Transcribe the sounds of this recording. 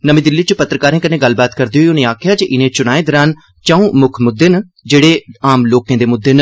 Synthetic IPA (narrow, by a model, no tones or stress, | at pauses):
nəmẽːd̪ɪlːiːt͡ʃəpət̪ːɾəkaːɾẽːkənẽːɡəlbaːt̪kəɾd̪eoiːʊnẽːaːkʰɪjaːd͡ʒeʔɪnẽːt͡ʃʊnaːeːd̪əɾaːn | t͡ʃãːũːmʊkʰmʊd̪ʱːeːn | d͡ʒeːɽeːaːmloːkẽːd̪eːmʊd̪ːeːn